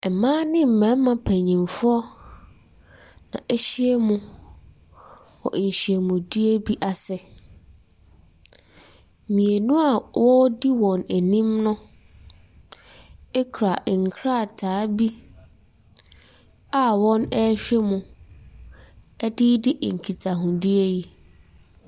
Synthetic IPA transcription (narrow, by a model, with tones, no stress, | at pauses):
ɛ˨mãː˦nɪ̃˦m̩˨mæ̃˨˦mã˨pʰæ˨ɲĩ˨mfʊ˦ɔ˦ | nã̰˨ʔæ˦ɕi˦ɛ˦mʊ̃˦ | wɔ̰˨ɲ̩˨ɕi˨e˨mũ˨di˦e˦bi˦ʔa˨sɛ˨ | mĩ˨e˨nũ˦a˨wɔ˦di˦wɔ̃˨næ˨nĩ˦mnʊ̃˦ | ɛ˦kʰɾa˨ŋ̩˨kʰɾa˦˨tʰaː˨˦bi˦ | a˨wɔ̃˦nɛ˦ɕᶣɛ˦mʊ̃˨ | ɛ˦dɪ˦dɪ˦ʔŋ̩˨kʰi˨tʰa˨ɦʊ̃˨di˦e˦ji˦